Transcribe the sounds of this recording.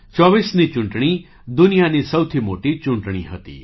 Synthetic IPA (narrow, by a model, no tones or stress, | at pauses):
t͡ʃɔʋisnit͡ʃuɳʈɽ̃i | d̪unijanisəwt̪ʰimoʈit͡ʃuɳʈɽ̃ḭɦət̪ḭ